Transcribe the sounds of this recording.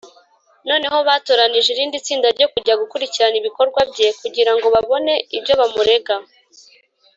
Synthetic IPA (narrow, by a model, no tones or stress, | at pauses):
no̞ːne̞ɦo̞βaːtoɾaniʒiɾiːndit͡siːndaɾɟo̞kuɟaɡukuɾiciɾaniβiko̞ɾɡwabɟe̞kuɟiɾaŋɡo̞βaβo̞ne̞ibɟo̞βamuɾe̞ɡa